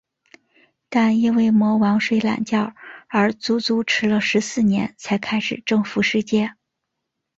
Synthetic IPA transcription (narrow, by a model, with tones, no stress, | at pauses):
t̪a˥˧ni˥˧nwe˥˩ɪmwɔ˧˥wɑ˧˥ŋʂwe˥˩ɪla̰˨˩nt͡ɕjɑ˥˩ʊə˞˧˥t͡su˧˥t͡su˧˥ʈ͡ʂʰɻ̩˧˥lə˧ʂɻ̩˧˥sɹ̩˥˩njɛ˧˥nt͡sʰa˧˥ɪkʰa˥ɪʂɻ̩˨˩ʈ͡ʂɤ˥˧ŋfu˧˥ʂɻ̩˥˧t͡ɕjɛ˥˩